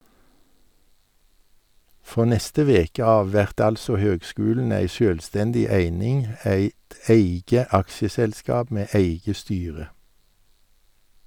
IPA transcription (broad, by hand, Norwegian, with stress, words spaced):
ˈfʁoː ˈnɛstə ˈʋeːkə ˈɑːʋ ˈʋɛʁt ˈɑlsɔ ˈhøːɡˌskʉːln̩ ˈæɪ ˈʃøːlˌstɛndɪ ˈæɪnɪŋ ˈæɪt ˈæɪɡə ˈɑkʃəˌsɛlˌskɑːb ˈmeː ˈeɪɡə ˈstyːʁə